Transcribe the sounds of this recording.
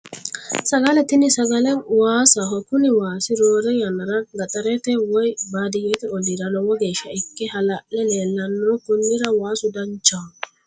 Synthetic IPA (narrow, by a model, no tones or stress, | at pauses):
sɐɡɐlɛt̪ɪnɪsɐɡɐlɛwaːsɐɦɔkʊnɪwaːsɪɾoːɾɛjɐnɐɾɐɡɐt̪ʼɐɾɛt̪ɛwɔjbaːd̪ɪjɛt̪ɛɔliɾɐlɔwɔɡe̞ːʃːɐɪkːɛhɐlɐʔlɛleːlːɐnːɔːkʊnːɪɾɐwaːsʊd̪ɐnt͡ʃːa